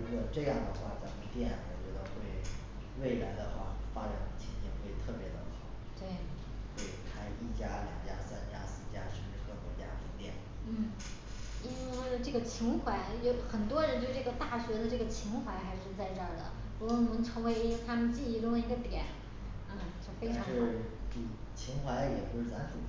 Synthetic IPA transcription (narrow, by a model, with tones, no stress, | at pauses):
ɻu˥jo˨˩ʈ͡ʂɤ˥˧jɑ˥˩ŋd̪ə˩xwa̰˥˩t͡sa˨˩mə˧˦t̪jɛ˥˩nwɔ̰˨˩t͡ɕɥɛ˧˥d̪ə˧xwe˥˧ɪ | we˥˩ɪla˧˥ɪd̪ə˧xwa̰˥˩fa˥ʈ͡ʂa̰˨˩nd̪ə˧t͡ɕʰi˧˥ŋɕʰḭ˥˩xwe˥˩ɪt̪ʰɤ˥˩pjɛ˧˥t̪ə̰˧˩xɑ˨˩˦ʊt̪we˥˩ɪ | xwe˥˩ɪkʰa˥ɪi˥˩t͡ɕja˥ljɑ̰˨˩ŋt͡ɕja̰˥sa˥nt͡ɕja̰˥sɹ̩˥˩t͡ɕja̰˥ʂɻ̩˥˩˧ʂɻ̩˥˩xɤ˧˥t̪wɔ˧˥t͡ɕja̰˥pʰi˧˥ŋt̪jɛ̰˥˩n | n̩˥˩ | i˥n˥˩˥ʈ͡ʂɤ˥˩ɡə˩t͡ɕʰi˧˥ŋxʰwa˧˥ɪjo˧˥ʊxə˨˩nt̪wɔ˥ɻə˧˥nt͡ɕo˥˧˥ʈ͡ʂɤ˥˩ɡə˩t̪a˥˩ɕɥɛ˧˥d̪ə˧ʈ͡ʂɤ˥˩ɡə˩t͡ɕʰi˧˥ŋxwa˧˥ɪxa˧˥ɪʂɻ̩˥˧t͡sa˥˧ɪʈ͡ʂə˥˩d̪ə̰˩ | pu˧˥kwɔ˥˩ni˨˩nə˧˥ŋʈ͡ʂʰɤ˧˥ŋwe˧˥ɪ˧˥t̪ʰa˥mə˨nt͡ɕi˥˩i˧˥ʈ͡ʂʊ˥˩ŋlə˧i˧˥ɡə˧t̪jɛ˨˩˦n̩˥˩ | t͡ɕjo˥˩fe˥ɪʈ͡ʂʰɑ˧˥ʂɻɻ̩˥˩˧ | t͡ɕʰi˧˥ŋxwa˧˥ɪjɛ˨˩pu˧˥ʂɻ̩˥˩a˧˥nʈ͡ʂu˨˩